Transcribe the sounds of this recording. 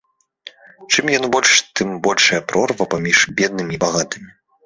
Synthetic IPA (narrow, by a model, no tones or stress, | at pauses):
t͡ʂɨmjanbɔlʲʂt̪ɨmbɔlʲʂɐjɐpɾɔrvɐpamʲiʂbʲɛd̪̚nɨmʲiːbaɣat̪ɨmʲi